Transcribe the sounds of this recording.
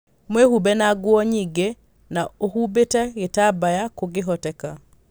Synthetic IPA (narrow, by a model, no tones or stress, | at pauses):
mwehubɛnaɡwɔɲiɡe | naohubetɛɣetabajakoɡeɦɔtɛka